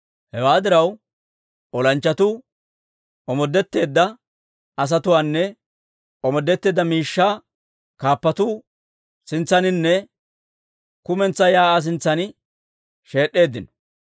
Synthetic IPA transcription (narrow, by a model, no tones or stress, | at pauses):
hɛwaːd̪ɪɾɐw | ɔlɐnt͡ʃːɐt̪ʊ | ʔɔmɔd̪ːɛt̪ːe̞ːd̪ːɐ | ɐs̬ɐt̪ʊwaːnːɛ | ʔɔmɔd̪ːɛt̪ːeːd̪ɐmiːʃːaː | kaːpːɐt̪ʊ | sɪnt͡sːɐnɪnːɛ | kʊmɛnt͡sːɐjaːas̬ɪnt͡sːɐnɪ | ʃe̞ːɗːe̞ːd̪ːɪnɔ̥